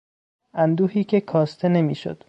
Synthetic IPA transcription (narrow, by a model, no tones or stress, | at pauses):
ʔænd̪uːhiːcʰe̞kʰɒːst̪ʰe̞ne̞miːʃo̰d̪̥